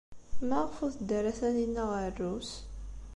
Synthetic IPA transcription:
mæʁfuθd̪əɾæθæninːæʁərːus

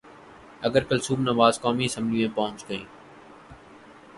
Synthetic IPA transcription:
əɡəɾkəlsuːbnəʋaːzkoːmiːɪsə̃mblijẽːpɐɦʊ̃t͡ʃɡəĩː

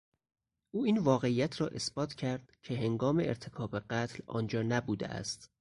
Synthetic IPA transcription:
ʔuːiːnvɒːɣe̞ijæt̪ʰɾɒːʔe̞sbɒːt̪ʰcʰæɾd̪̥cʰe̞ɦe̞ŋɡɒːme̞eɾt̪ʰe̞kʰɒːbe̞ɢæt̪ʰlɒ̰ːnd͡ʒɒːnæbuːd̪ḛʔæ̰st̪

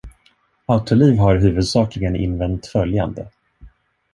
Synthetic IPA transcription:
aʊt̪ʰʊliːvɦaɾɦʉ̟ːvɵd̪sɑːklɪɡənɪ̰nvɛnt̪fœlja̰nd̪ə

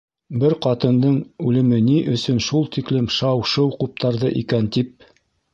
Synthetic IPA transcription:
bɘɾqɑt̪ɤ̆nd̪ɤɴʉlɘ̆mɘniʔɵ̆sɵnʃulˠt̪iklɘmʃɑwʃɤwqup̚t̪ɑɾðɤʔikænt̪ip̚

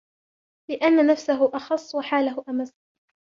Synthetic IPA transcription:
lɪʔanːanafsaɦʊʔɑxɑsˤːwaħaːlaɦʊʔamas

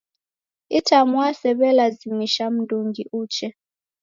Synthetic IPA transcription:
itʰamuasɛɓɛlazimiʃam̩dʱuŋɡiʔuːt͡ʃʰɛ

